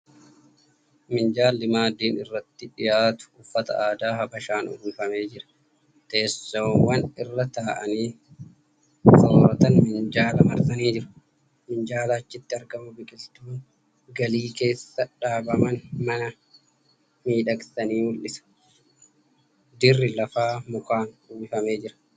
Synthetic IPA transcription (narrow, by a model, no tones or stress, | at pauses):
mɪnd͡ʒaːlːɪmaːd̪iːnɪrːɐt̪ːɪᶑɪjaːt̪ʊ̥ʊfːɐt̪ɐ̰aːd̪aːɦɐbɐʃaːnʔʊ̰hiːfɐme̞ːd͡ʒɪɾɐ̥ | t̪eːsːowːɐnɪrːɐt̪aːʔɐniː | sɔɾɐt̪ɐnmɪnd͡ʒaːlɐmɐɾt̪ɐniːd͡ʒɪɾʊ̥ | mɪnd͡ʒaːlaːt͡ʃːɪt̪ːɪɐɾɡɐmʊbɪkʼɪlt̪uːŋ | ɡɐliːke̞ːsːɐᶑaːbɐmɐnmɐnɐ | miːᶑɐksɐniːmʊlʔɪsɐ̥ | d̪ɪrːɪlɐfaːmʊkaːnhuːfɐme̞ːd͡ʒɪɾɐ̥